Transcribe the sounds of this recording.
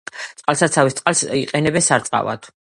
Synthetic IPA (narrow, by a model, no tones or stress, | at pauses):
t̪sʼqʼalˠsat̪sʰavist̪sʼqʼalˠsiqʼɛnɛbɛnsaɾt̪sʼqʼa̰va̰t̪ʰ